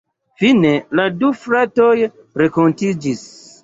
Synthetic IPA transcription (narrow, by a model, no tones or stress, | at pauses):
fine̞ladufɾato̞j | ɾe̞kontid͡ʒis